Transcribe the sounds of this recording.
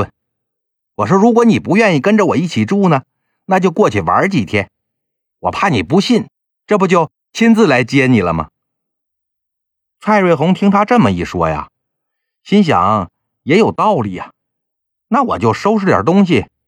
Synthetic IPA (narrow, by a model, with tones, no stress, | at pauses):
wɔ˨˩ʂ̬̩˥˧ɻu˧˥kwɔ˧˥ni˨˩pu˧˥ɥɛ˥˧ni˥˩kə˥nʈ͡ʂə˨wɔ˨˩i˥˩t͡ɕʰi˨˩ʈ͡ʂu˥˩nə˩ | na˥˧t͡ɕjo˥˧ʊkwɔ˥˧t͡ɕʰy˥˩wa̰˞˧˥t͡ɕi˨˩t̪ʰjɛ˥n | wɔ̰˨˩pʰa˥˩ni˨˩pu˧˥ɕi˥˩n | ʈ͡ʂɤ˥˩bu˧t͡ɕjo˥˩ʊ | t͡ɕʰi˥nt͡sɹ̩˥˧˩la˧˥ɪt͡ɕjɛ˥ni˨˩lə˦mɐ̰˩ | t͡sʰwa˥˧ɪɻwe˥˩ɪxʊ˧˥ŋt̪ʰi˥ŋt̪ʰa˥ʈ͡ʂɤ˥˩mə˨i˥˩ʂwɔ̰˥ja̰˨˩ | ɕi˥nɕ̬jɑ̰˨˩˦ŋ | jɛ˧˥jo˨˩ʊt̪ɑ˥˩ʊli˨˩˦jɐ̰˩ | na˥˩wɔ̰˨˩t͡ɕjo˥˩ʊʂo˥ʊʈ͡ʂɻ̩˥˩ljɑ̰˨˩t̪ʊ˥ŋɕ̬i˨